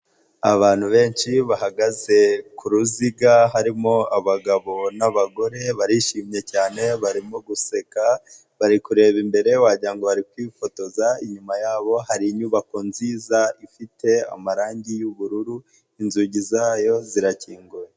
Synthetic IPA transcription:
aβaːn̥huβe̞ːnʃiβaɦaɡaze̞kʰuɾuziɡaɦaɾimo̞aβaɡaβo̞naβaɡo̞ɾe̞βaɾiʃiːmɲe̞caːne̞βaɾimoɡuse̞ka | βaɾikuɾe̞ːβimbe̞ɾe̞waɟiɾaŋɡo̞βaɾikwiːfo̞to̞zaiɲumajaːβo̞haɾiɲuβako̞nziːzaifite̞a̰maɾaːɲɟijuβuɾuɾu | inzuɟizaːjo̞ziɾaciːŋɡuɾe

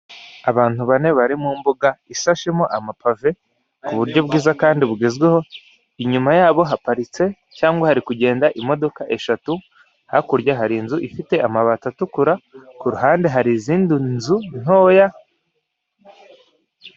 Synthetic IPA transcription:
aβaːn̥uβane̞βaɾimumbuɡaisaʃemo̞ʔamapave̞ | kuβuɾɟo̞bɡiːzakaːndiβuɡezɡwe̞ho̞ | iɲumajaːβo̞ɦapaɾit͡se̞ | caːŋɡwahaɾikuɟe̞ːndaʔimo̞do̞kaʔe̞ʃatu | hakuɾɟaɦaɾiːnzuʔifite̞ʔamaβatatukuɾakuɾuɦaːnde̞ɦaɾiziːndunzun̥o̞ːja

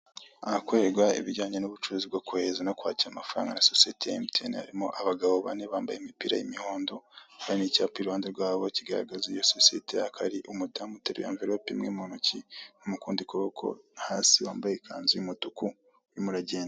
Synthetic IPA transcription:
ahakoeɡwaḭβiɟaːɲenuβut͡ʃuɾuzibɡokuhezanokwa̰ːciɾamafuɾa̰ːŋɡanasosietejaemteniha̰ɾimo̞̰ʔaβaɡaβo̞βa̰ne̞βaːmbajeimipiɾa̰jḭmihoːndohaɾinicaːpiɾuaːndeɾɡwaːβo̞ciɡaɾa̰ɡazijososijḛte̞jakʰaɾiʔumudamuteɾḛja̰ːɱviɾopimŋiːmonucinumukuːndikuβokʰo̞̰haːsiwaːmbajekʰaːnzimutuku | ɾimuɾaɟeːnda

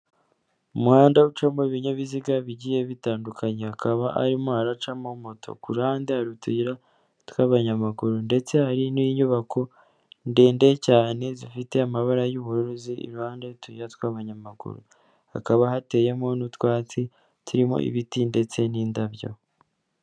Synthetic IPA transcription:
umuhaːndaut͡ʃamoiβiɲeβiziɡaβiɟije̞βitaːndukʰaɲehakaβaʔa̰ɾimohaɾat͡ʃamamotʰo̞̰kuɾuhaːndehaɾutuiɾa | twaːβaɲamaɡuɾunde̞t͡se̞haɾiniiɲuβakʰo̞ | ndeːnde̞caːne̞zifite̞amaβaɾajuβuɾuɾuziḭɾuhaːndaɾutuiɾatwaːβaɲamaɡṵɾṵ | ha̰kaβahate̞jemo̞nutwaːt͡si | tʰuɾimo̰ʔḭβitinde̞t͡se̞niːndaβjo̞̰

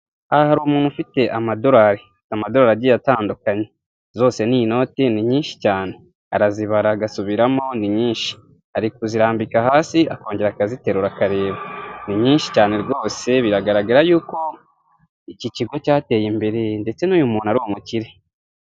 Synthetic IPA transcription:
aahaɾumuːnufite̞ʔamado̞ɾaɾe | amado̞ɾaːɾaɟijataːndukaɲe̞ | zo̞ːse̞nino̞ːteniɲiːnʃi̥caːne̞ | aɾaziβaɾaɡasuβiɾamo̞niɲiːnʃi̥ | aɾikoziɾaːmbikahaːsiako̞ːɲɟe̞ɾakazite̞ɾuɾakaɾe̞ːβaniɲiːnʃi̥caːne̞ɾɡo̞ːse̞βiɾaɡaɾaɡaɾajuːko̞ | iciciɡo̞caːte̞ːjimbe̞ɾe̞nde̞t͡se̞nuːjumuːnuaɾuomuciɾe̞

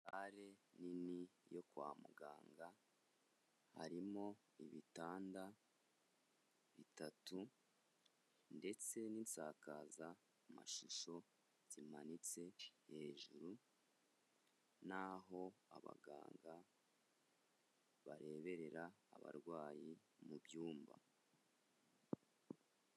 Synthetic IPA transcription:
aɾe̞ninijo̞kwaːmuɡaːŋɡa | ha̰ɾimo̞ | iβitaːnda | βitatu | nde̞t͡se̞ninsaːkaːza | ma̰ʃuʃo̞ | z̥imanit͡se̞he̞ːʒuɾu | naɦo̞a̰βa̰ɡa̰ːŋɡa | βaɾe̞βe̞ɾe̞ɾaːβa̰ɾɡwaːji | mubjuːmba̰

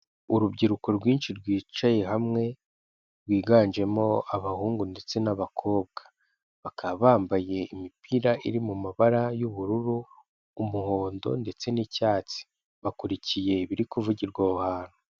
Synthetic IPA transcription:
uɾubɟiɾuko̞ɾɡwiːnʃiɾɡwiːt͡ʃaje̞ɦamŋe̞ | ɾɡwiːɡaːnd͡ʒe̞mo̞aβahuːŋɡunde̞t͡se̞naβakʰo̞ːbɡḁ | βakʰaβaːmbaje̞imipʰiɾaʔiɾimumaβaɾajuβuɾuɾuː | muho̞ːndo̞̰nde̞t͡se̞nicaːt͡si̥ | βakuɾicije̞βiɾikuvuɟiɾɡwouhaːn̥u

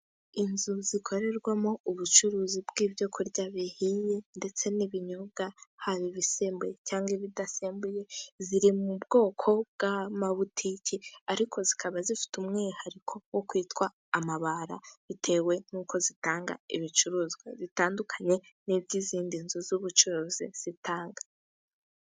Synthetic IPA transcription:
inzuzikʰo̞ɾe̞ɾɡwamo̞uβut͡ʃuɾuːzibɡiːvjokʰuɾɟaβihije̞nde̞t͡se̞niβiɲoɡahaβiβiseːmbuje̞caːŋɡiβidaseːmbuje̞ziɾimubɡ̥o̞ːkʰo̞bɡ̥amaβutʰiciaɾikʰo̞zikʰaβazifi̥tumŋeːhaɾikʰo̞wokwiːtkwaːmaβaɾa̰itʰe̞we̞nuːkʰo̞zitaːŋɡa̰iβit͡ʃuɾuːzɡwḛzitaːndukʰaɲe̞ | nivɟiziːndinzuzuβut͡ʃuɾuːziz̥itʰaːŋɡa

